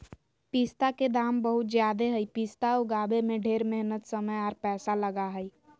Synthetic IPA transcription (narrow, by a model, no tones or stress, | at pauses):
piːst̪aked̪aːmbəɦʊt̪zjaːd̪eɦəipiːst̪aʊɡaːbemẽɖʱeːɾmeɦnət̪səməjɔːɾpɛːsaləɡaɦəi